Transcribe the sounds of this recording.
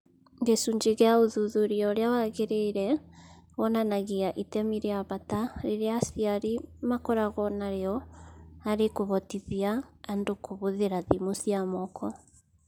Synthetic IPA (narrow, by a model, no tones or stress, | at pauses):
ŋɡesuɲd͡ʒeɣeaoðuðoɾiɔɾeawaɣeɾeiɾɛ | ɣɔnanaɣiaʔitɛmiɾeaβataɾeɾeasiaɾimakɔɾaɣɔnaɾeɔ | aɾekoβɔtiðiaːndokoβoðeɾaðimosiamɔkʰɔ